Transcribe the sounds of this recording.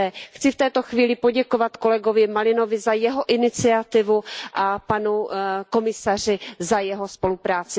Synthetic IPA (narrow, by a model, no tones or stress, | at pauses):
ɛxt͡sɪft̪ɛːt̪o̞xviːlɪpo̞ɟɛko̞vat̪ko̞lɛɡo̞vɪmalɪno̞vɪzajɛɦo̞ʔɪnɪt͡sɪat̪ɪvuʔapanuko̞mɪsar̝ɪzajɛɦo̞spo̞lupɾaːt͡sɪ